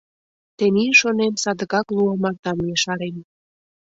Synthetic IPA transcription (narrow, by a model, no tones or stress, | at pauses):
t̪eniʃonemsɑd̪əkɑkluɑmɑrt̪ɑmjeʃɑɾen